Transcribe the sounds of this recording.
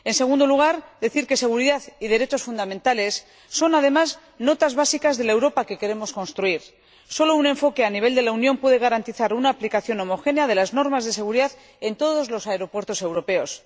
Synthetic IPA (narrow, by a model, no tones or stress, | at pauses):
e̞nse̞ɣ̞und̪o̞luɣ̞aɾd̪e̞θiɾke̞se̞ɣ̞uɾiðaðiðe̞ɾe̞t͡ʃo̞sfund̪amẽnt̪ale̞sː | o̞nað̞e̞maz | no̞t̪azβasikazðe̞lae̞wɾo̞pake̞ke̞ɾe̞mo̞sko̞nst̪ɾuiɾ | so̞lo̞unẽ̞ɱfo̞keaniβ̞e̞ld̪e̞launjõ̞mpwe̞ðe̞ɣ̞aɾant̪iθaɾunaːplikaθjo̞no̞mo̞xe̞neaðe̞lazno̞ɾmazðe̞se̞ɣuɾiðað | e̞nt̪o̞ðo̞zlo̞saeɾo̞pwe̞ɾt̪o̞se̞wɾo̞pe̞o̞s